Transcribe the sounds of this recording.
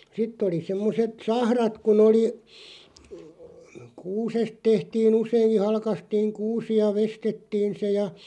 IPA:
sitˑ oli semːoset sɑhrɑt kun oli kuːsest tehtiːn useiŋki hɑlkɑstiːŋ kuːsi jɑ ʋestetːiːn̞ se jɑ

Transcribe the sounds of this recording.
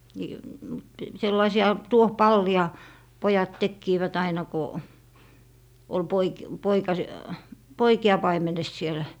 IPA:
niː mut selːɑisiɑ tuohpɑlːiɑ pojɑt tekːiːʋæt ɑinɑ ko ol poik poikɑs poikiɑ pɑimenes siel

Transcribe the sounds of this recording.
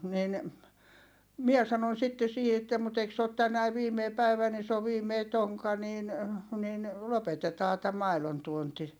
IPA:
niːn mie sɑnon sitːe siːhi etːæ mut eik se ot tænæi ʋiːmei pæiʋæ ni s oː ʋiːmei toŋkɑ niːn nin lopetetɑː tæ mɑilontuonti

